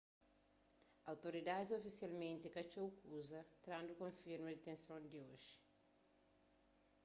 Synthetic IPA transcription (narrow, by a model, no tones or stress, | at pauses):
awt̪oɾid̪ad̪izofisjalmẽnt̪ikɐt͡ʃowkuzɐt̪ɾãnd̪ukõfiɾmɐd̪et̪ẽnsõnd̪ioʒi̥